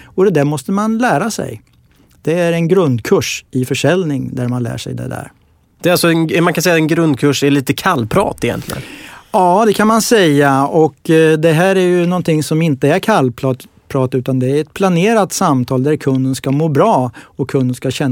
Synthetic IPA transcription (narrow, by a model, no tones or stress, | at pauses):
ɔd̪ɛd̪æɾmɔst̪əmanlæːɾasɛ̰j | d̪̥ɛæɾɛnɡɾɵnd̪kʰɵʂɪfœʂɛlnɪŋd̪æɾmanlæ̰ːʂɛ̰jd̪ɛ̰d̪æ̰ːɾ | d̪ɛalsɔɛnɛmankʰansɛjːaɛnɡɾɵnd̪̚kʰɵʂɛɭiːt̪əkʰalːpʰɾɑ̰ːt̪ɪjɛ̰nt̪lɪ̰ɡə̰nɑːd̪ɛkʰanmansɛjːaɔkd̪ɛɦæːɾæɾjɵnɔnːt̪ʰɪŋsɔmɪnt̪əæɾkʰalːpʰɾɑːt̪pʰɾɑːt̪ʉ̟ːt̪and̪ɛæɾɛt̪̚pʰlaneːɾat̪samt̪ʰɑːld̪æɾkʰɵnd̪ənskamoːbɾɑːɔkʰːɵnd̪ənskaɕɛnː